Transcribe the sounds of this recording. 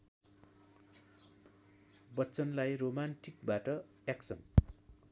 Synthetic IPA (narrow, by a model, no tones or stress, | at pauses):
bʌt͡sʌnlajromanʈik̚baʈʌ | jaksʌ̰n